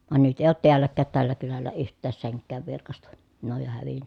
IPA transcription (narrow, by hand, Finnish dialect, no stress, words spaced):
ʋɑn nyt eˑi̯ oːt tiælːækːæːt tælːæ kylælːæ yhtˑæːs seŋkːæːʋ ʋirkɑstɑ ne oj jo hæʋinːæ